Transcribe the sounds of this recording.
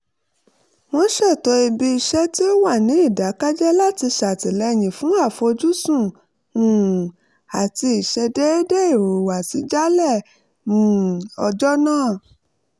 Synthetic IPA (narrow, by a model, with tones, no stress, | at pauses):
w̃ɔ̃˧ʃɛ˦˨to˨˧i˧bi˧i˧ʃɛ˦ti˦wa˦˨nĩ˨˦i˦˨da˨˦ka˦d͡ʒɛ˦la˦ti˧ʃa˨ti˨lɛ˨˧j̃ĩ˨fũ˨˦a˦˨fɔ˧d͡ʒu˦sũ˦˨ | ũ˨ | a˨ti˧i˨ʃɛ˧de˦de˦i˦˨ɾu˨wa˨si˨˦d͡ʒa˦lɛ˦˨ | mũ˨˦˨ɔ˧d͡ʒɔ˦nãː˦˨